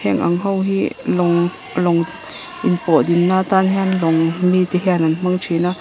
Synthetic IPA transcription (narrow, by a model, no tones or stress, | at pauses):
hɛ̰ŋʔa̰ŋɦɐwɦilɔŋ | lɔŋ | ʔinpɔʔd̪inːaːt̪anhɛanlɔŋmit̪iɦɛananm̥aŋt͡ʃʰina